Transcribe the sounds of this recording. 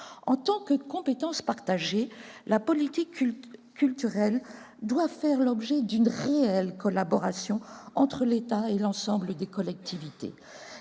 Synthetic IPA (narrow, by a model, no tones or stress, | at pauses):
ɑ̰̃t̪ɑ̃kəkɔ̃pet̪ɑ̃spaʁt̪aʒelapɔlit̪ikʲː | ylt̪yʁɛl | d̪wafɛʁlɔbʒɛd̪ynʁeɛlkɔlabɔʁasjɔ̃ɑ̃t̪χəlet̪aelɑ̃sɑ̃bləd̪ekɔlɛk̚t̪ʰivit̪ḛ